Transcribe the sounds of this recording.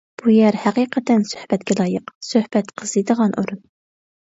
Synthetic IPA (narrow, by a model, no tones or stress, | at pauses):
b̥ujɛɾhæqiqʰɛt̪ɛnsø̥hbɛt̪kʲɛlˠɑːjəqsøhb̥ɛt̪qʰəz̥id̪əʁɑnʔuɾun